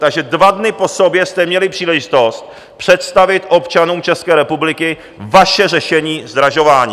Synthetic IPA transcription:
t̪aɡʒɛdvadnɪpo̞sobjɛst̪ɛmɲɛlɪpr̥iːlɛʒɪt̪o̞st̪̚ | pr̝̥ɛt̪st̪avɪt̪ʔo̞pt͡ʃanuːmt͡ʃɛskɛːɾɛpublɪkɪ | vaʃɛrɛʃɛɲiːzd̪ɾaʒo̞vaːɲi

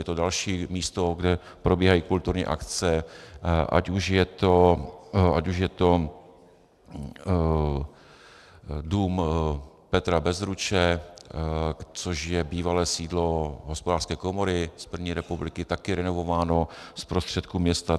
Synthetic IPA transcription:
jɛt̪odalʃiːmiːst̪oɡdɛ | pɾobiːɦajiːkult̪uɾɲḭːʔa̰kt͡sɛ | ʔa̰cuʃjɛt̪o | ʔacuʃjɛt̪o̞ | duːm | pɛt̪ɾabɛzɾut͡ʃɛ | t͡soʃjɛbiːvalɛːsiːdlo̞ɦospodaːrskɛːkomoɾɪspr̩vɲiːɾɛpublɪkɪt̪akɪɾɛnovovaːno̞spɾost̪r̝̥ɛt̪kuːmɲɛst̪a

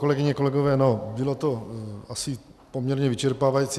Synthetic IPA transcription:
ko̞lɛɡɪɲɛko̞lɛɡovɛːnobɪlot̪oasɪpomɲɛɾɲɛvɪt͡ʃɛɾpaːvajit͡si

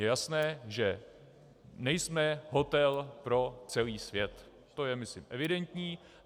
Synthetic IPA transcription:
jɛjasnɛːʒɛ | nɛjsmɛɦo̞t̪ɛlpɾo̞t͡sɛliːsvjɛt̪ː | o̞jɛmɪslɪmʔɛvɪdɛnt̪ɲiː

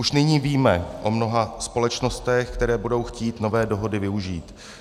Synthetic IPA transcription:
ʔuʃnɪɲiːviːmɛʔo̞mno̞ɦaspo̞lɛt͡ʃno̞st̪ɛxkt̪ɛɾɛːbudo̞wxciːt̪no̞vɛːdoɦo̞dɪvɪuʒiːt̪

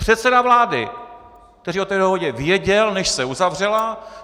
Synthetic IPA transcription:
pr̝̥ɛt̪t͡sɛdavlaːdɪ̰ | kt̪ɛɾiːo̞t̪ɛːdo̞ɦoɟɛvɪjɛɟɛlnɛʃsɛuzavr̝ɛla

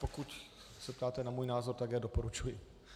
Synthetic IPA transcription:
pɔkuc | sɛp̚t̪aːt̪ɛnamuɔːjnaːzɔɾt̪aɡjaːd̪ɔpɔɾut͡ʃuji

